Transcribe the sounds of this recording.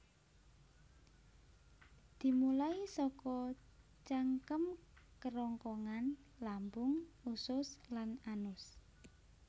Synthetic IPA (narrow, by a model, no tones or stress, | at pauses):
d̪̥i̤mulaisɔkɔ | t͡ʃaŋkəmkəɾɔŋkɔŋan | lambʊŋusʊslananʊs